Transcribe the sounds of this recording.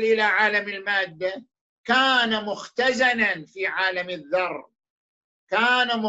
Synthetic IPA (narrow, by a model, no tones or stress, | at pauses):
lʔɪlaʕaːlamɪlmaːd̪ːa | kaːnamʊxt̪azananfiːʕaːlamɪðːɑrˤ | kaːnamʊ